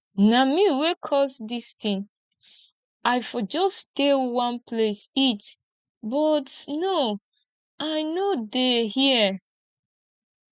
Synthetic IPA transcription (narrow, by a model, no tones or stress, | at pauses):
namiwekʰɔsdistĩn | aɪfɔd͡ʒɔstewãnpʰlesit | bɔtno | aɪnodehi